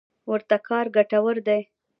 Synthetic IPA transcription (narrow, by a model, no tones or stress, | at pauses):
wəɾt̪akʰɑɾɡaʈawəɾd̪aj